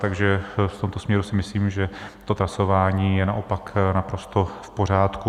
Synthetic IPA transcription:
t̪aɡʒɛft̪o̞mt̪o̞smɲɛɾusɪmɪsliːmʒɛt̪o̞t̪ɾaso̞vaːɲiːjɛnaʔopaknapɾo̞st̪ofpo̞r̝aːt̪ku

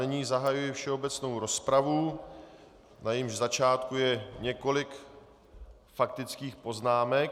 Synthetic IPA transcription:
nɛɲiːzaɦajujɪfʃɛo̞bɛt͡sno̞wɾo̞spɾavu | najɪmʒzat͡ʃaːt̪kujɛɲɛko̞lɪk | fak̚t̪ɪt͡skiːxpo̞znaːmɛk̚

